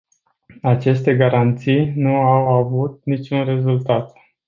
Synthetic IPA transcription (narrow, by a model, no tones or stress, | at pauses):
at͡ʃe̞st̪e̞ɡaɾant̪sijnuawavut̪̚nit͡ʃunre̞zult̪at̪